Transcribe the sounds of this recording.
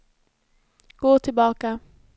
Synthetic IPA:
ɡ̥oːt̪ʰɪlbɑːka

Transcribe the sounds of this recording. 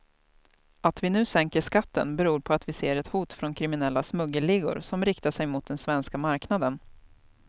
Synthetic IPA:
at̪vɪnʉ̟ːsɛŋkəʂkat̪ːə̰nbɛɾuːɾpʰɔat̪vɪseːɾɛt̪huːt̪fɾɔnkʰɾɪmɪnɛlːasmɵɡːəlɪɡʊ̰ɾsɔmɾɪkt̪aʂɛjmʊt̪̚d̪ɛnsvɛnskamaɾknad̪ən

